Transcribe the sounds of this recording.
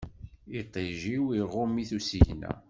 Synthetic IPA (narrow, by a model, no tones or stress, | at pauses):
it̪ˤːeʒiwiʁʊmiθusiʝnæ̰